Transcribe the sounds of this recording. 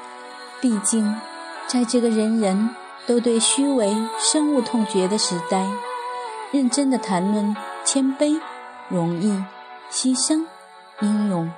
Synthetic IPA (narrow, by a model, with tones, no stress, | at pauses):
pi˥˧t͡ɕi˥˧ŋ | t͡sa˥˧ɪʈ͡ʂɤ˥˩ɡə˩ɻə˧˦˥nɻə˧˥n | t̪o˥ʊt̪we˥˩ɪɕy˥we˧˥ɪʂɤ˥ŋu˥˧t̪ʰʊ˥˩ŋt͡ɕɥɛ˧˥d̪ə˧ʂɻ̩˧˥t̪a˥˩ɪ | ɻə˥˩nʈ͡ʂə˥ŋd̪ə˨t̪ʰa˧˥nlwə˥˩nt͡ɕʰjɛ˥npe˥ɪ | ɻʊ˧˥ŋi˥˩ | ɕi˥ʂɤ˥ŋ | i˧˥ŋɻʊ˧˥ŋ